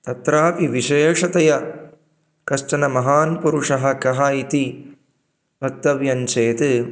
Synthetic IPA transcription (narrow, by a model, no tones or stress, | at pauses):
t̪ɐt̪ɾaːpiʋiʃeːʂɐt̪ɐjɐ | kɐʂʈɐnɐmɐɦaːnpuɾuʂɐɦɐkɐɦɐit̪i | ɐk̚t̪ːɐʋjɐnt͡ʃeːt̪ɨ